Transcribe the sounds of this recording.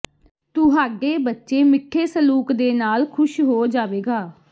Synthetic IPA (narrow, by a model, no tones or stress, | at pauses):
t̪ʊɦaːɡeːbətːʃeːmɪkʰːeːsəluːkd̪eːnaːlkʰʊʃɦoːd͡ʒaːʋeːɡaː